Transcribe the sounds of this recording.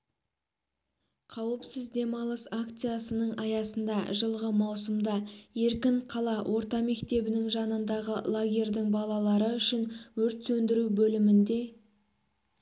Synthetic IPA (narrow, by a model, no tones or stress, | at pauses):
qʰɑwəpsɪzd̪e̞mɑlˠəsakt̪sɨjasənəɴʔɑjɑsənd̪ɑʒəlˠʁəmɑwsəmd̪ɑje̞ɾkʲɪɴqʰɑlˠɑwʔo̞ɾt̪ɑme̞kt̪e̞bɪnɪŋʒɑnənd̪ɑʁəlˠaɡʲe̞rʲd̪ɪŋbɑlˠɑlˠɑɾəʏʃɪnwɵɾt̪sɵnd̪ɪɾuwbɵlɪmɪnd̪e̞